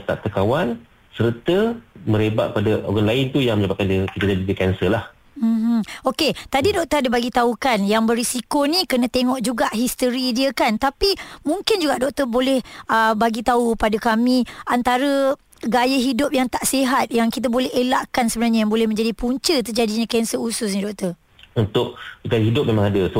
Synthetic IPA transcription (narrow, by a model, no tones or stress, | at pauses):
t̪a̰ʔt̪əkawan | səɾt̪əmə̃ɾeba̰ʔ̪̚padaʔo̰ɡanlaɪnt̪ujaŋmə̃ɲabat̪̚kandəkit̪adadidikɛnsəlah | m̩m̩oket̪adidɔk̚t̪əɾadəbaɡit̪aukanjaŋbərɾisikonĩkənə̃t̪eŋɔʔd͡ʒuɡaʔɦist̪əɾidiəkant̪apimuŋkɪnd͡ʒuɡaʔdɔk̚t̪əbolɛhʔəbaɡit̪aupadakamĩʔant̪aɾə | ɡajəɦidʊp̚jaŋt̪aʔsiɦat̪̚jaŋkit̪̬abolɛɦelaʔkansəbənarɲəjaŋbolɛhmə̃ɲd͡ʒadipuɲt͡ʃət̪ərd͡ʒadiɲãkɛnsəusʊs̬nidɔk̚t̪ər | unt̪ʊʔ̚ɡajəɦidʊp̚memãŋadəs